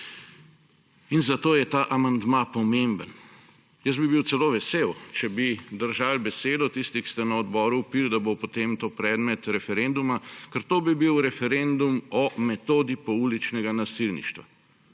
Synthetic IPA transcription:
inzat̪oːjɛt̪aʔamand̪mapɔmembən | jəsbibiw̪sɛloːʋɛsewt͡ʃɛbid̪əɾʒalbɛseːd̪ɔt̪ist̪ikst̪ɛnɐɔd̪bɔːɾuːpild̪abopot̪emt̪oːpɾɛːd̪mɛt̪ɾɛfɛɾend̪umakəɾt̪oːbibiwɾɛfɛɾend̪umɔmɛt̪oːd̪ipɔulit͡ʃnɛɡanasilnḭʃt̪ʋa̰

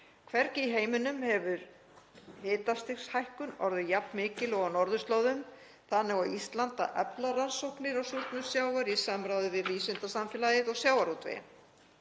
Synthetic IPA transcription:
kʰvɛɾcɪiɦeːjmʏnʏmhɛvʏɾ | hɪːt̪ast̪ɪxshajhkʏnɔ̰ɾðʏjapnmɪːcɪlɔɣanɔɾðʏst̪lowðʏm | θanːɛɣawist̪lant̪a̰ʔœ̰plaransowhknɪɾawsuɾt̪nʏmsjaːwɣaɾisamɾawðʏvɪðviːsʏnt̪asamfɛlajɪðɔɣsjaːwaɾut̪vḛn

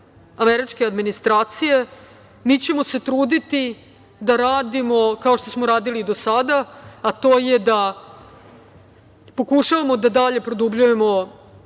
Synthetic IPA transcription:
ameɾit͡ʃke̞ad̪minist̪ɾaːt̪sije̞ | mit͡ɕe̞mo̞se̞t̪ɾuːd̪it̪i | d̪aɾaːd̪imo̞kao̞ʃt̪o̞smoɾaːd̪ilid̪o̞sad̪aːt̪o̞ːjed̪a | po̞kuʃaʋamo̞d̪ad̪aʎe̞pɾo̞d̪ubʎuje̞mo̞

